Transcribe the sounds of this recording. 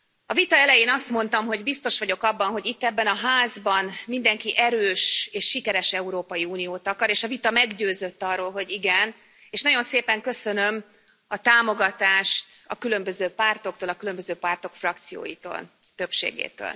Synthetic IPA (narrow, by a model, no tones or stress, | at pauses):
ɒvit̪ɒɛlɛjeːnɒst̪mo̞nt̪ɒmɦo̞ɟbist̪o̞ʃʋɒɟo̞kɒbːɒnɦo̞ɟit̪ːɛbːɛnɒɦaːzbɒnmind̪ɛŋkiʔɛɾøːʃeːʃːikɛɾɛʃɛuɾoːpɒjiuːnijoːt̪ɒkɒɾeːʃɒvit̪ɒmɛɡɟøːzø̞t̪ːɒrːoːlɦo̞ɟiɡɛn | eːʃnɒɟo̞nseːpɛŋkø̞sø̞nø̞m | ɒt̪aːmo̞ɡɒt̪aːʃt̪ɒkylø̞mbøzøːpaːrt̪o̞k̚t̪oːlɒkylø̞mbøzøːpaːrt̪o̞kfrɒk̚t̪sijo̰ːjḭt̪o̰ːl | t̪ø̞pʃḛːɡḛːt̪ø̰ːl